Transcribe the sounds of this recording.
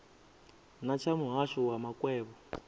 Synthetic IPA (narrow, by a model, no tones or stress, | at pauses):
nat͡ʃʰamuɦaʂɔwamakʼwɛːβɔ